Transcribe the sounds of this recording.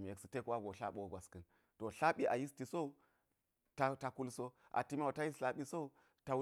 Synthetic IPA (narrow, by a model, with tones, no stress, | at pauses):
m˨e˨ksi˦te˦kwa˦ɡo˨ɬa̰˦ɓo˨ɡʷa˨skɨ˨n | to˨ɬa˦ɓi˦ʔa˨ji˦sti˨so˦u˦ | ta˨ta˨ku˦lso˦ | ʔa̰˨ti˦m˦a˦˨ta˦ji˦sɬa˦ɓi˦so˦u˦ | ta˨wu˦